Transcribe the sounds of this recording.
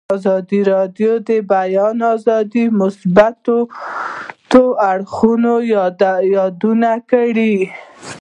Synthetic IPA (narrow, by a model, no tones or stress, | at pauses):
zɑd̪iɾɑdjod̪əbajɑnɑzɑd̪imʊsbat̪o | t̪oaɽxunojjɑd̪unakaɽi